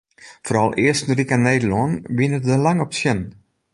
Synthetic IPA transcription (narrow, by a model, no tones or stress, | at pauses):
fɔrɑlˠɪəstn̩rikanːeːdəlɔnʋinətdəlaŋɔpsjɛn